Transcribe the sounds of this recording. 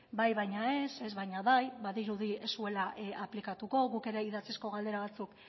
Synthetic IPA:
bajβajɲae̞se̞zβajɲaβajβaðiɾuðiesue̞laaplikat̪uko̞ɣuke̞ɾe̞iðat͡sisko̞ɣ̞ald̪e̞ɾaβ̞at͡suk

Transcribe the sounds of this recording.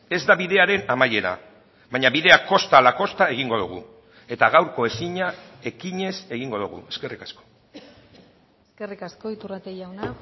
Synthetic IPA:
e̞zd̪aβiðe̞aɾe̞namaje̞ɾa̰ | βajɲaβiðe̞ako̞st̪aːlako̞st̪ae̞ɣ̞iŋɡo̞ðuɣ̞ṵ | e̞t̪aɣawɾko̞e̞siɲa | e̞kiɲe̞se̞ɣiŋɡo̞ðuɣṵe̞ske̞rikasko̥ | eskerikasko̞it̪urat̪ejawna

